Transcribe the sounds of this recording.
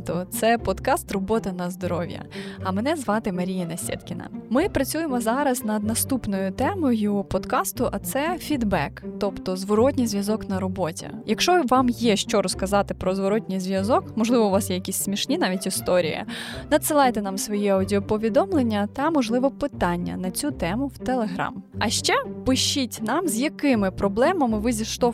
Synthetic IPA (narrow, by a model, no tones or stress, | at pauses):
t̪ɔt̪sɛpɔd̪kɑst̪rɔbɔt̪ɐnɐzd̪ɔɾɔʋʲjɐ̰ɐmɛnɛzʋɑt̪ɪmɐɾʲijɐnɐsʲɛ̰d̪kʲɪnɐ̰mɪpɾɐt͡sʲujemɔzɑɾɐznɐd̪nɐst̪upnɔjʊt̪ɛmɔjʊpɔd̪kɑst̪ʊʔɐt̪sɛfʲid̪bɛkt̪ɔpt̪ɔzʋɔɾɔtʲnʲijzʋʲjɐzɔknɐɾɔbɔtʲɐ̰jɐkʃt͡ʃɔʋɑmjɛʃt͡ʃɔɾɔskɐzɑt̪ɪpɾɔzʋɔɾɔtʲnʲijzʋjɐzɔkmɔʒlˠɪʋɔʊʋɑsjɛjɐkʲisʲsmʲiʃnʲin̪ɑʋʲitʲist̪ɔɾʲḭjɐ̰nɐd̪sɨlˠɑjt̪ɛnɑmsʋɔjiɐwdʲiɔpɔʋʲid̪ɔmlˠenʲːɐt̪ɐmɔʒlˠɪʋɔpɪt̪ɑnʲːɐ̰nɐt͡sʲut̪ɛmʊwt̪elˠeɦɾɑ̰mɐʃt͡ʃɛpɪʃt͡ʃːitʲnɑmzʲjɐkɪmɪpɾɔblˠɛmɐmɪʋɪzʲiʃt̪ɔ